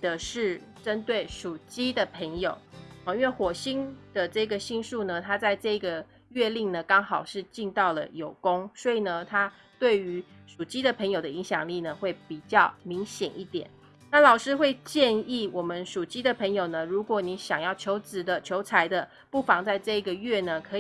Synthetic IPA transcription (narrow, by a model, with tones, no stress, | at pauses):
d̪ə˨ʂɻ̩˥˩ʈ͡ʂə˦˥nt̪we˥˩ɪʂu˨˩t͡ɕi˥d̪ə˨pʰə˧˥ŋjo˨˩˦ʊ˧˩i˥nwe˥˩xwɔ˨˩ɕi˥nd̪̥ə˨ʈ͡ʂɤ˥˩i˦ɡə˨ɕi˥˧nsu˥˩nə˩t̪ʰa˥t͡sa˥˧ɪʈ͡ʂɤ˥˩i˥ɡə˩ | ɥɛ˥˧li˥˩ŋnə˩kɑ˥ŋxɑ˨˩ʊʂɻ̩˥˧t͡ɕi˥˧nt̪ɑ˥˩ʊlə̰˩jo˨˩ʊkʊ˥ŋswɔ˧˥i˨˩nə˩t̪ʰa˥ | t̪we˥˩ɪy˧˥ | ʂu˨˩t͡ɕi˥d̪ə˨pʰə˧˥ŋjo˨˩ʊd̪ə˦˨i˧˥ŋɕjɑ˨˩ŋli˥˩nə˩xwe˥˩ɪpi˨˩t͡ɕjɑ˥˩ʊmi˧˥ŋɕjɛ̰˨˩ni˥˩t̪jɛ̰˨˩˦n | na˥˩lɑ˨˩ʊʂɻ̩˥xwe˥˧ɪt͡ɕjɛ˥˧ni˥˩wɔ˨˩mə˦nʂu˨˩t͡ɕi˥d̪ə˨pʰə˧˥ŋjo˨˩ʊnə˦ɻu˧˥kwɔ˨˦ni˧˥ɕjɑ˨˩ŋjɑ˥˩ʊt͡ɕʰjo˧˥ʊt͡sɹ̩˨˩d̪ə˧t͡ɕʰjo˧˥ʊt͡sʰa˧˥ɪd̪ə˧ | pu˥˩fɑ˧˥ŋt͡sa˥˧ɪʈ͡ʂɤ˥˧i˧˥ɡə˨ɥɛ˥˩nə˩kʰɤ˧˥